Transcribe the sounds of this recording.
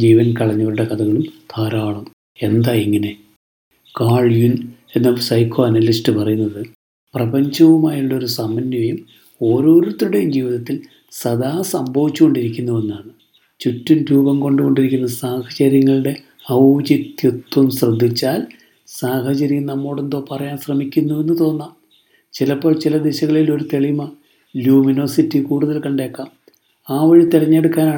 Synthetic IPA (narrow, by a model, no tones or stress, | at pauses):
d͡ʑiːʋɐnkɐɭɐɲːoːɾuɽe̞kɐd̪ɐɣɐɭumt̪ʰaːɾaːɭum | e̞nd̪aːiŋːɐne̞ | kaːɭjune̞nːɐsɐjkʰːo̞ːɐnɐlisʈɨpɐrɐjunːɐðɨ | prɐbɐɲd͡ʑɐʋumaːjiɭːɐo̞ɾusɐmɐnjɐɐjum | o̞ːɾo̞ːɾut̪ːɾuɽejumd͡ʑiːʋiðɐt̪ːil | sɐd̪aːsɐmbʱɐʋit͡ɕːuko̞ɳɖiɾikʲːunːuʋe̞nːaːɳɨ | t͡ɕutːunɾuːbɐmko̞ɳɖuko̞ɳɖiɾikʲːunːɐsaːhɐt͡ɕɐɾjɐŋːɐɭɨɽe̞ | ɐd͡ʑit̪jut̪wɐmɕrɐd̪ʱːit͡ɕːaːl | saːɦɐt͡ɕɐɾijumnɐmːoːɽe̞nd̪o̞ːpɐrɐjaːnɕrɐmikʲːunːuʋe̞nːɨt̪o̞ːnːaːm | t͡ɕilɐpːo̞ːɭt͡ɕilɐd̪eɕɐɣɐɭilo̞ɾut̪e̞ɭimɐ | ljuːmino̞ːsitːikuːɽuðɐlkɐɳɖe̞ːkːaːm | aːʋɐɻit̪irɐɲːe̞ɽukːaːnaː